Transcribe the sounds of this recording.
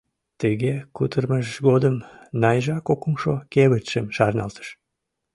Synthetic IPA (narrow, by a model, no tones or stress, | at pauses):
t̪əɣekut̪ərməʃɣod̪əmnɑjʒɑkokumʃokeβət̪ʃəmʃɑrnɑ̰lt̪ə̥ʃ